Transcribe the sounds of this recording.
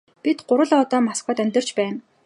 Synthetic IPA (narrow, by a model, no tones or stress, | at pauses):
pʲit̪ɢʊɾə̆ɮɔːt̪ɔːmaskɔːt̪æmʲt̪ə̆r̥t͡ɕpæːn